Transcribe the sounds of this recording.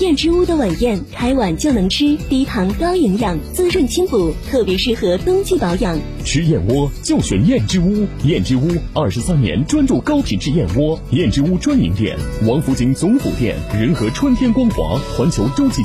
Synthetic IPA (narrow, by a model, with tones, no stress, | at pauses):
jɛ˥˩nʈ͡ʂɻ̩˥u˥d̪ə˨wa˨˩njɛ˥˩nkʰa˧˥ɪwa˨˩nt͡ɕjo˥˩ʊnɤ˧˥ŋʈ͡ʂ̩ʰ˥t̪i˧˥t̪ʰɑ˧˥ŋkɑ˥ʊi˧˥ŋjɑ˥˩ŋt͡sɹ̩˥˧ʂə˥˩nt͡ɕʰi˥npu˨˩t̪ʰɤ˥˩pjɛ˧˥ʂɻ̩˥˩xɤ˧˥t̪ʊ˥ŋt͡ɕi˥˩pɑ˧˥ʊjɑ˨˩˦ŋ | ʈ͡ʂʰɻ̩˥jɛ˥˩nwɔ˥t͡ɕjo˥˩ʊɕɥɛ˨˩˦njɛ˥˩nʈ͡ʂɻ̩˥u˥jɛ˥˩nʈ͡ʂɻ̩˥u˥ɐ˞˥˩ʂɻ̩˧˥sa˥njɛ̰˧˥nʈ͡ʂwa˥nʈ͡ʂu˥˩kɑ˥ʊpʰi˨˩nʈ͡ʂɻ̩˥˧jɛ˥˩nwɔ˥jɛ˥˩nʈ͡ʂɻ̩˥u˥ʈ͡ʂwa˥nḭ˧˥ŋt̪jɛ̰˥˩nwɑ˧˥ŋfu˧˥t͡ɕi˧˥ŋt͡sʊ˧˥ŋfṵ˨˩t̪jɛ̰˥˩nɻə˧˥nxɤ˧˥ʈ͡ʂʰwə˥nt̪ʰjɛ˥nkwɑ˥ŋxwɑ̰˧˥xwa˧˥nt͡ɕʰjo˧˥ʊʈ͡ʂo˥ʊt͡ɕi˥˩